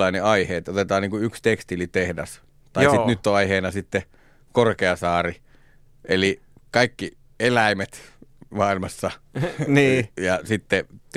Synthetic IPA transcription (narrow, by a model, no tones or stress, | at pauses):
ɑineɑiheːt̪ːot̪et̪ɑːnniːŋkuykst̪ekst̪ilit̪ehdæs | t̪ɑisinyt̪ːoɑiheːnɑsit̪ːe | korkeɑsɑːri | ʔeli | kɑikːi | elæimet̪mɑilmɑsːɑniːjɑsit̪ːet̪